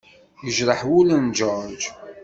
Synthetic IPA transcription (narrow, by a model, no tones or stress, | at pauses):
jəʒɾˤəħwulənd͡ʒɔɾˤd͡ʒ